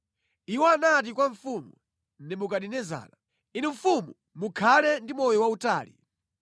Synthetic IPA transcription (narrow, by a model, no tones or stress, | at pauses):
iwɔanat̬ikwaɱfumṵ | nɛmukaɗinɛza̰ːna | iniɱ̩fumu | mukʰalɛndimɔjɔwauta̰ːlḭ